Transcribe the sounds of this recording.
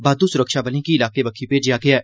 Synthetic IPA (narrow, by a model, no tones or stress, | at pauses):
baːd̪uːsʊɾəkʃaːbəlĩːkiɪlaːkeːbəkʰiːpeːd͡ʒɪjaːɡɪaː